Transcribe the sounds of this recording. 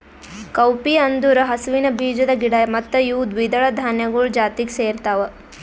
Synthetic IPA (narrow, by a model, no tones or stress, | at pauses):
kɐwpiɐnd̪uɾɐɦɐsʋinɐbʱiːd͡ʒɐd̪ɐɡiɽɐmɐt̪ːɐjuːd̪ʋid̪ɐɭɐd̪ʱaːnjɐɡuɭd͡ʒaːt̪ikseːɾt̪aːʋɐ